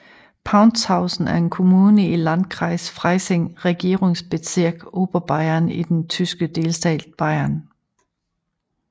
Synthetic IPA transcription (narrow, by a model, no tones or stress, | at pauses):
pʰɑ̈ʊnshɑ̈ʊsn̩æɐe̝nkʰo̝muːnəilæn̥kʰʁɑ̈ɪsfʁɑɪseŋʁɛɡ̥e̝ːɐʁeŋsb̥e̝siɐɡ̥o̝ːb̥ɐb̥ɑ̈ɪɐnid̥ent͡sʰysɡ̥əd̥e̝lsd̥ɛ̰ːl̥b̥ɑ̈ɪɐn